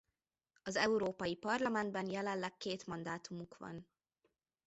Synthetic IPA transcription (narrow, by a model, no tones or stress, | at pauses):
ɒzɛuɾoːpɒjipɒrlɒmɛnd̪bɛnjɛlɛllɛkːeːt̪mɒnd̪aːt̪umukʋɒ̰n